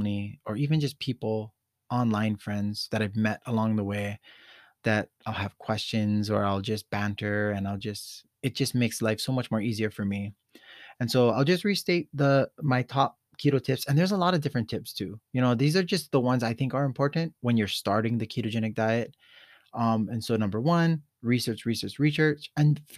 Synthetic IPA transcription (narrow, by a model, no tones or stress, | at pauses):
niə˞ivɨ̃nd͡ʒʌspʰipl̩ˠ | ɑ̃nlãɪ̃nfɹɛ̃ndz̥ðɨɾaɪvmɛɾəlɔ̃ŋðəweɪðɨɾaɪlˠɨv̥kʰw̥ɛst͡ʃɨ̃nzə˞aɪlˠd͡ʒʌsb̥æ̃ntʰə˞ɨ̃naɪlˠd͡ʒʌst | ɨt̚d̥ʒ̥ʌsmeɪkslaɪfsoʊmʌt͡ʃmɔɹiziə˞fə˞mi | ɨ̃nsoʊaɪlˠd͡ʒʌst̚ɹisteɪt̪̚ðəmaɪtʰɔp̚kʰjʉɾotʰɪpsɨ̃nðə˞zəlɔɾʌdɪfɹɨ̃ntʰɪpstʰʉjɨñoʊðizə˞d͡ʒʌs̚ðəwʌ̃nzaɪθɪ̃ŋkə˞ɨ̃mpʰɔɹʔn̩twə̃njə˞stɑɹɾɪ̃ŋðɨkʰiɾɨd͡ʒɛñɨk̚d̥aɪɨt̚ | ʌ̃mɨ̃nsoʊnʌ̃mbə˞wʌ̃n | ɹisɜ˞t͡ʃɹisɜ˞t͡ʃɹisɜ˞t͡ʃɨ̃n